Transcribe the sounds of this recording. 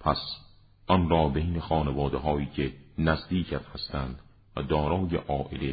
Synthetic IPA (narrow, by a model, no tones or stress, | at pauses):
pʰæs | ʔɒnɾɒːbejnexɒːnevɒːd̪eɦɒːiːcʰenæzd̪iːcʰæt̪hæst̪ænd̪ | væ̰d̪ɒːɾɒːjeʔɒːʔele